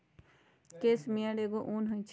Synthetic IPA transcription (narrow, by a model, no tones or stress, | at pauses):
keːsmiãɽeɡoʔuːnɦõĩt͡ʃʰ